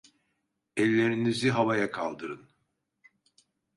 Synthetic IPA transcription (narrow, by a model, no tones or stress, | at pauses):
ɛlʲːeɾiniziɦavajakʰalˠd̪ɯɾɯn